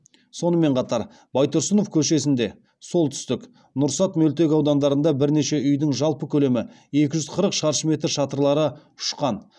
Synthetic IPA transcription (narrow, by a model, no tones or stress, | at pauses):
so̞nəme̞ɴqʰɑt̪ɑɾ | bɑjt̪oɾsəno̞fkʲʰɵʃe̞s̬ɪnd̪e̞ | so̞lˠt̪ʰʏ̥st̪ɪk | nʊɾsɑt̪mɵlt̪e̞kʲɑwd̪ɑnd̪ɑɾənd̪ɑbɪɾne̞ʃe̞ʔʏjd̪ɪŋʒɑlˠpəkʲʰɵle̞mɪ | e̞kʲɪʒʏzqʰəɾəqʃɑɾʃəme̞t̪ɾʃɑt̪əɾlˠɑɾə | ʊ̥ʃqɑn